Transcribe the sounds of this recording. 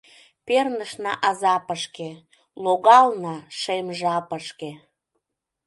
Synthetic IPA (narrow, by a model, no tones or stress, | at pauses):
pernəʃnɑʔɑzɑpəʃke | loɣɑlnɑʃemʒɑpəʃke